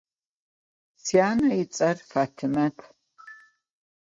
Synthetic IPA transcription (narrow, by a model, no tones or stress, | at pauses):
siaːnɐjɪt͡sʼɐrfaːtʰɨmɐtʰ